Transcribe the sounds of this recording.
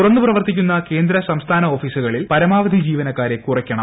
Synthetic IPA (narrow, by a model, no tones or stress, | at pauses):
urɐnːuprɐʋɐrt̪ikʲːunːɐke̞ːnd̪ɾɐsɐmst̪ʰaːnɐo̞ːfiːsuɣɐɭilpɐɾɐmaːʋɐd̪ʱid͡ʑiːʋɐnɐkːaːɾe̞kurɐkʲːɐɳɐm